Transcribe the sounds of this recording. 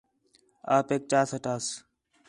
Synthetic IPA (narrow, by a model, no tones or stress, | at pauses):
aːpeːk̚t͡ʃaːsəʈaːs